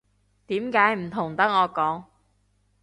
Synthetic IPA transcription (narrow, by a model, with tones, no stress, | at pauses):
t̪iː˨˧˥mkaː˨˥jm̩˨˩t̪ʰʊ˨˩ŋt̪ɐ˦˥k̚ːɔː˨˧kɔː˨˥ŋ